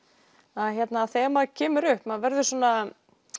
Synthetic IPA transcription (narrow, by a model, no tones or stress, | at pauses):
aðçjɛt̪naθɛːmacʰɛːmʏɾʏhpmaðvɛɾðʏsɔːna